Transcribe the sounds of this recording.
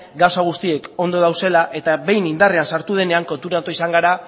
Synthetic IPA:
ɡawsaɣ̞ust̪ie̞ko̞nd̪o̞ðawse̞laʔe̞t̪aβe̞jnind̪are̞ansaɾt̪uð̞e̞ne̞aŋko̞nt̪uɾat̪oisaŋɡaɾa

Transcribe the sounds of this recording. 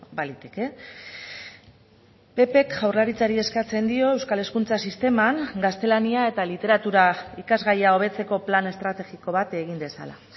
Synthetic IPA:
balit̪e̞ke̞ | pe̞pe̞kʝawrlaɾit͡saɾie̞skat͡se̞nd̪io̞ewskale̞skunt͡sasist̪e̞maŋɡast̪e̞laniae̞t̪alit̪e̞ɾat̪uɾaikazɣajao̞βe̞t͡se̞ko̞plane̞st̪ɾat̪e̞ɣiko̞β̞at̪eɣ̞ind̪e̞sa̰la̰

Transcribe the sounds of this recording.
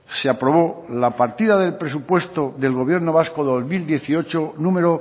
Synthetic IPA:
seapɾo̞β̞olapaɾt̪iðaðe̞lpɾe̞s̬upwe̞st̪oðe̞lɣo̞β̞je̞ɾno̞βasko̞ðo̞zmild̪je̞θio̞t͡ʃonũme̞ɾo

